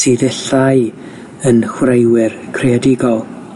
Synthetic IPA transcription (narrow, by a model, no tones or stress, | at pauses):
siðɛɬaj | ənhwrejwɪrkʰreadɪɡɔlˠ